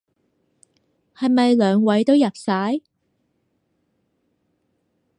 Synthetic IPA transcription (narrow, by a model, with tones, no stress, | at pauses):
hɐ˨jmɐ˨jlœː˨˧ŋwɐ˨˥jt̪o˥wjɐ˨p̚saː˨˥j